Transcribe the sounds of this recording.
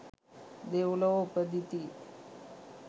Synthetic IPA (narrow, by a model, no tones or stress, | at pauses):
d̪ewləopəd̪ʱit̪i